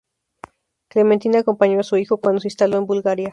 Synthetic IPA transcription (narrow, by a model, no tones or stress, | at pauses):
kle̞ment̪inako̞mpaɲo̞asuixo̞kwand̪oseinst̪alo̞e̞mbulɣaɾja